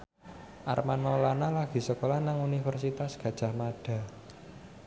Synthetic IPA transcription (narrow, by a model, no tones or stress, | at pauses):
ʔa̰rmanmolanalaɡ̥i̤səkolanaŋunifərsit̪asɡ̥ä̤d̥ʒ̥a̤hmaɖ̥a̤